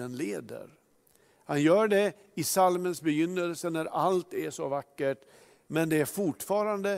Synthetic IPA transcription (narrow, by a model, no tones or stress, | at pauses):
ənleːd̪ə̰ɾ | hanjœːɖɛ | ɪsalmənsbɛjʏnːəlsənæɾalt̪æʂɔvakːəʈ | mɛnd̪ɛæɾfʊʈfɑːɾand̪ə